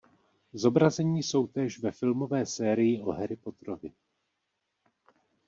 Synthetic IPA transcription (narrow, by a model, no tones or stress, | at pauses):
zo̞bɾazɛɲiːso̞wt̪ɛːʃvɛfɪlmo̞vɛːsɛːɾɪjɪʔo̞ɦɛɾɪpo̞t̪ɾovɪ